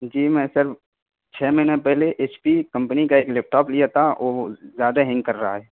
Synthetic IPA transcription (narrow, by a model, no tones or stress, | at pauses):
d͡ʒiːmɛ̃ːsəɾf | t͡ʃʰɛːminapɛɦleʔeːt͡ʃpikə̃mpnikaeːklɛːp̚ʈaːplijat̪ʰao̰ːzjaːd̪aɦɛ̃ŋɡkɐɾːaɦaɦɛː